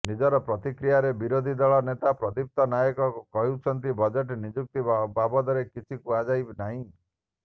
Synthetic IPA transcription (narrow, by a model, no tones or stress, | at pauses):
nid͡ʒɔɾɔpɾɔt̪ikɾijaɾebiɾod̪ʱid̪ɔɭɔnet̪apɾɔd̪ip̚t̪ɔnajɔkɔkukɔɦiwt͡ʃʰɔnt̪ibɔd͡ʒeʈnid͡ʒuk̚t̪ibabɔd̪ɔɾekit͡ʃʰikuad͡ʒajbnaɦĩ